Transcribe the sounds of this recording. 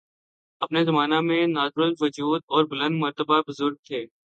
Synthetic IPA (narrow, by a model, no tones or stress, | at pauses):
ɐpnezɐmaːnamẽnaːd̪ɾʊsʋɐd͡ʒuːd̪̚ɔːɾbʊlə̃nd̪mɐɾt̪əbabʊzʊɾɡ̚t̪ʰeː